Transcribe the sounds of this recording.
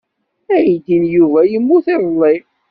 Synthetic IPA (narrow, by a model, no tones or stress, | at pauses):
æjid̪injuvæjəmːuθeðˤlˤːi